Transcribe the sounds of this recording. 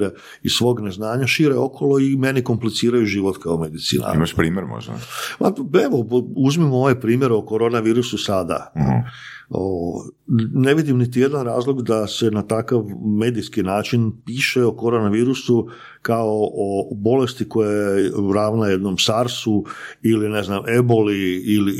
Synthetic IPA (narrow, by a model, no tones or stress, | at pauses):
ɾe | isʋo̞ːɡneznaːɲaʃiɾeo̞kʰo̞loime̞niko̞mplit̪siːɾajuʒiːʋot̪kaomed̪it̪sḭːna̰ḭmaʃpɾiːmʲjeɾmo̰ʒd̪a̰maeʋouzmimo̞ʋejpɾiːmje̞ɾeo̞ko̞ɾoːnaʋiːɾususad̪a̰ | oone̞ʋid̪imnit̪ije̞d̪anɾaːzlo̞ɡd̪ase̞nat̪akaʋme̞ːd̪iskinaːt͡ʃinpiːʃeokoɾonaʋiːɾusu | kaoʔobo̞le̞st̪iko̞jajjeɾaːʋnaje̞d̪no̞msaɾsuiline̞zname̞bo̞liili